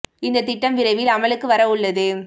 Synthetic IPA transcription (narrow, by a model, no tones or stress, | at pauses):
ɪnd̪ɐt̪ːɪʈːɐmʋɪɾɐɪʋɪlɐmɐɭɯkːɯʋɐɾɐʊɭːɐðɯ